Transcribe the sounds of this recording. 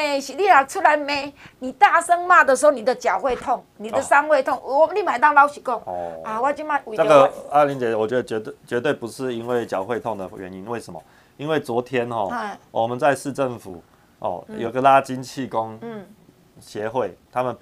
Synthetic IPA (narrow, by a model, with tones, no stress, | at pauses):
e˥˩ɕi˨li˥˩˨la˨˩k̚ʈ͡ʂʰu˥la˧˦ɪme˨˧˦ni˨˩t̪a˥˩sə˦ŋma˥˩d̪ə˨ʂ̬̩˧˥o˥˩ni˨˩d̪ə˧t͡ɕjɑ˨˩ʊxwe˥˧ɪt̪ʰo˥˩ŋni˨˩ə˨sa˥nwe˥˧ɪt̪ʰʊ˥˨ŋ˨wɔ˨˩m˨˦li˥˩ma˨˩˦t̪ɑ˥˧ŋla˥˦ʊɕi˨˩ko˥˩ŋ˧a˨˧wa˥˧˦t͡ɕi˥˧ma˥˧˨a˥˨ɡə˨˧a˥˩li˨˥nɛ˨˩wɔ˨˩t͡ɕɥɛ˧˦d̪ə˧t͡ɕɥɛ˧˥t̪t͡ɕɥɛ˧˦˥t̪we˥˩ɪpu˧˦ʂɻ̩˥˨i˦nwe˥˩ɪt͡ɕjɑ˨˩ʊxwe˥˧ɪt̪ʰɔ˥˨ŋd̪ə˨˩ɥɛ˨˦ni˦nwe˥˩ɪsʂə˧˦mɐ̰˨˩ | i˦˥nwe˥˩ɪt͡swɔ˧˥t̪ʰjɛ˦nxɔ̰˥˨˥wɔ˨˩mə˨nt͡sa˥˧ɪʂɻ̩˥˧ʈ͡ʂə˥˩ŋfṵ˨˩ | ɔ̰˥˩jo˨˩i˧˥ɡə˨la˦t͡ɕi˦nt͡ɕʰi˥˨ko˦ŋ̩˥˩ | ɕjɛ˨˦xwe˥˩ɪt̪ʰa˦mə˨n